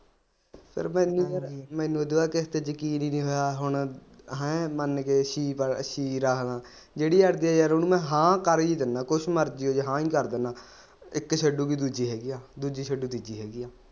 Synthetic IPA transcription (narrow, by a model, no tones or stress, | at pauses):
pʰɪ̰ɾmɛ̃ːnũːɾmɛ̃ːnũːd̪oːaːkɪst̪eːd͡ʒəkiːniːnĩːɦoːjaːɦʊɳɦɛ̃ːmənkeːʃiːpəʃiːɾəkʰnãː | d͡ʒeːɽiːəɽd̪iːɛːjaɾʊnũːmɛ̃ːɦãːkəɾiːd̪ənãːkʊʃʰməɾd͡ʒiːoːd͡ʒɦãːiːkəɾd̪enaː | ɪkʃʰəɖuːbiːd̪uːd͡ʒiːɦɛːɡijaːd̪uːd͡ʒiːt͡ʃʰəɖuːt̪iːd͡ʒiːɦɛːɡijaː